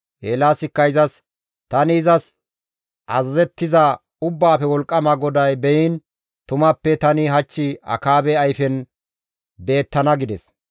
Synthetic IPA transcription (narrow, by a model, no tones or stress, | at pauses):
ʔeːlaːsɪkːɐɪzɐs | t̪ɐnɪːzɐs | ʔɐzɐzɛt̪ːɪzɐ | ʊbːaːfɛwɔlkʼːɐmɐɡɔd̪ɐjbɛjɪn | t̪ʊmɐpːɛt̪ɐnɪɦɐt͡ʃːɪɐ̰kaːbɛɐjfɛn | be̞ːt̪ːɐnɐɡɪd̪ɛs